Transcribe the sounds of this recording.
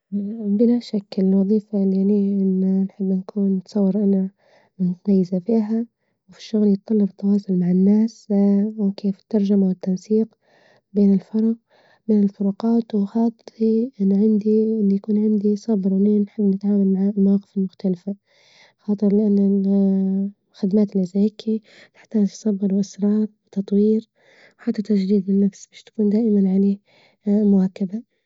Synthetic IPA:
bɪlaʃakːɪlɪlwɑðˤiːfaljaniʔɪnːnħɪbːnakʰuːnːɪt̪sˤɑwːɑɾˤʔana | mʊt̪amajːɪzafiːɦa | wfi̥ʃːʊɣljɪt̪ˤːɑlːɑbɪt̪ːɑwɑːsˤʊlmaʕɪnːaːs | keːfɪ̥t̪ːɑɾˤʒamawɪt̪ːansiːq | beːnɪlfɑɾˤɑq̚ | beːnɪlfʊɾˤuqɑːt̪wxɑːt̪ˤiʔɪnːʕɪnd̪iɪlːijakuːnʕɪnd̪isˤɑbɾwniːnħɪbːnɪt̪ʕaːwalmaʕlmawɑːqɪ̥fɪlmʊxt̪alɪfa | xɑːt̪ˤɨɾˤlɪʔanːa | xɪd̪maːt̪ɪlʔɪzaɪkʰːi | t̪ɪ̥ħt̪aːd͡ʒsˤɑbɾwɪʔɪsɾˤɑːɾˤwɪt̪ɑt̪ˤwiːɾ | wħat̪ːat̪ad͡ʒd̪iːd̪ɪnːafsbeːʃt̪ḁkuːnd̪aːʔɪmanʕaleː | mʊwakaba

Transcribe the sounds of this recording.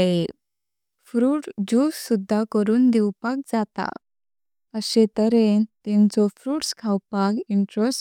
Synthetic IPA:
e | fɾuːʈd͡ʑussːud̪ʱːakəɾuːnd̪ɛwpak̚d͡zat̪a̰ | əɕet̪əɾet̪ɛ̃nt͡sɔfɾuːʈskʰawpakiɳʈɾɔs

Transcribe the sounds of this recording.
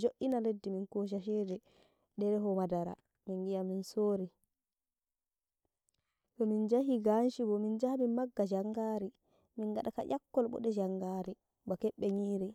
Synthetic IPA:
d͡ʒoʔːinaledːiminkoʃ̬aʃɛdɛ | ɗɛɾɛɦɔmadaɾa̰ | miŋɡijaminsoːɾi | tɔmind͡ʒaɦiɡanʃibɔmind͡ʒahaminmaɡːad͡ʒaŋɡaːɾi | minɡaɗaka̰ʔakːɔlɓɔ̰ɗɛd͡ʒaŋɡaːɾi | bakɛɓːɛɲiːɾi

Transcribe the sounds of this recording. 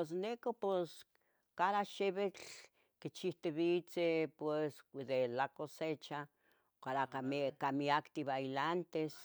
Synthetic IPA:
es̬nekopes | kaðaʃeβet͡ɬ | kit͡ʃiht̪eβit͡sepwesd̪elakoset͡ʃa | kaɾaakamiakt̪iβailant̪es

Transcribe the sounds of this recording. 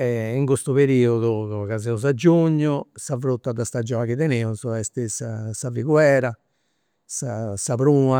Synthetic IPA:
ɛiŋkost̪uβeɾiːoðukazɛuz̬ad͡ʒːuɲːʊsavɾut̪ːad̪ast̪ad͡ʒɔːnakiðeneːuzɔɛst̪isasaviɣwɛːɾa | sasapɾuːma

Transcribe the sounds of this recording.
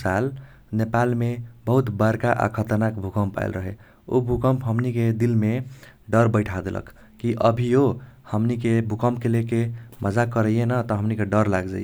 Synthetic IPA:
sal | nepalmebəɦut̪baɾkaʔa̰kʰət̪ənakbʱukəmpa̰j̰lɾəɦḛ | o̰bʱukəmpɦəmniked̪ilmeɖəɾbəɪʈʰad̪elʔə̰kː | iʔəbʱiohəmnikebʱukəmp̚kelekeməd͡ʒakəɾəjenət̪əɦəmnikeɖʌɾlaɡd͡ʒa̰je

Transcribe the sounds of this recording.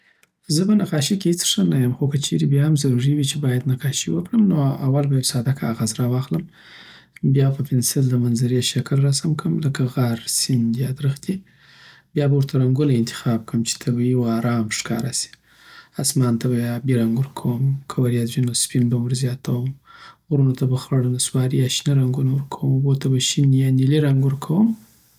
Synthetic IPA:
zəbanaqɑʃikʲehɪt͡sʂənajamxokat͡ʃʰeɾebjɑhamzaɾuɾiwit͡ʃebɑjad̪naqɑʃiwəkɽəmnoa̰walbajawsɑd̪akʰaːɣazɾɑwɑxləm | bjɑpəpʰɪnsɪld̪əmanzaɾeʃaklːasamkʰəmləkaɣaɾsind̪ijɑd̪ɾəxd̪i | bjɑbawuɾt̪ʰaɾaŋɡunaɪnt̪ʰɪ̥xɑb̚kəmt͡ʃi̥t̪ʰabajiwoɑɾɑmʂkɑ̰ɾasi̥ | asmɑnt̪ʰabajabeɾaŋɡʊɾkʰawəmkʰawaɾjazʒinospinbawəɾzjɑt̪ʰawəmɣɾunot̪ʰabaxlaɽonaswɑɾijaʃniɾaŋɡunawʊɾkʰawəmaɣot̪ʰabaʃinjaniliɾaŋɡʊɾkʰawəm

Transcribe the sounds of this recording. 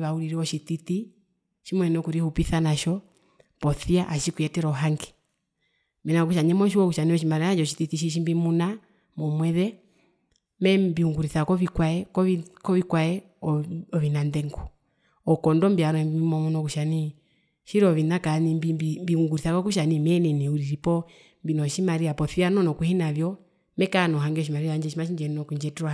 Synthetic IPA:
βauɾiɾiɔʃititi | ʃimwɛnɔkuɾihupiθanaʃɔ | pɔθiaʔaʃikuɛtɛɾɔɦaŋɡɛ̥ | mɛnakuʃaɲɛmɔʃ̬iwɔkuʃaniɔʃimaɾaad͡ʒɔʃititiʃ̬iʃ̬imbimuna | mɔmwɛðɛ | mɛbiuŋɡuɾiθakɔβikwaɛkɔkɔβikwaɛ | ɔβinandɛŋɡɔ | ɔkɔndɔmbiaɾɔmbimɔmɔnɔkuʃani | ʃiɾɔʋinakanimbibmbiuŋɡuɾiθakɔkuʃanimɛnɛniuɾiɾipɔ | mbinɔʃimaɾiapɔfianɔnɔkuhinavjɔ | mɛkanɔɦaŋɡɔʃimaɾiaɲd͡ʒɛʃ̬imaʃ̬iɲd͡ʒɛninɔkuɲd͡ʒɛtɾwa

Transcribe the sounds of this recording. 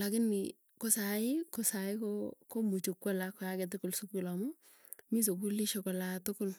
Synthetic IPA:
lakɪnːɪ̰ | kosaɪkosaɪkokomut͡ʃukːwɔlakɔjaɡɛt̬ɪkʊlsukːulamɔ | mis̬obuliʃokɔlatʊkʊl

